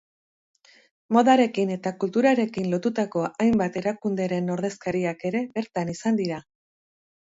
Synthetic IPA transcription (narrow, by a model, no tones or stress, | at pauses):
mo̞ðaɾe̞kine̞t̪akult̪uɾaɾe̞kinlo̞t̪ut̪ako̞ajmbat̪e̞ɾakund̪eɾe̞no̞ɾð̞e̞skaɾiake̞ɾe̞be̞ɾt̪anisand̪iɾa